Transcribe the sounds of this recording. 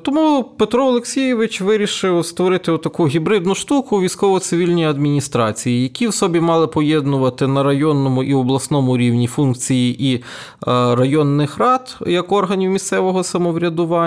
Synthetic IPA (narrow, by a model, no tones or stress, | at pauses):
t̪ɔmupet̪ɾɔɔlˠeksʲijɪʋɪt͡ʃʋɪɾʲiʃɪwst̪ʋɔɾɪt̪ɪɔt̪ːɐkuɦʲibɾɪd̪nʊʃt̪ukʊʋʲijsʲkɔʋɔsɪʋʲilʲnʲɔjiɐd̪mʲinʲist̪ɾɑt͡sʲijijɐkʲiwsɔbʲimɑlˠɪpɔjɛd̪nʊʋɐt̪ɪnɐɾɐjɔnːɔmʊʔiɔblˠɐsnɔmʊɾʲiwnʲifunk̚t͡sʲijiʔi | ɾɐjɔnːɪxrɑd̪jɐkɔrɦɐnʲiwmʲist̪sɛʋɔɦɔsɐmɔʋɾʲɐd̪ʊʋɑ